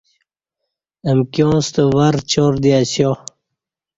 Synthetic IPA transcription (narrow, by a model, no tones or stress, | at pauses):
əmkjõːst̪owaɾt͡ɕoɾd̪iaɕjo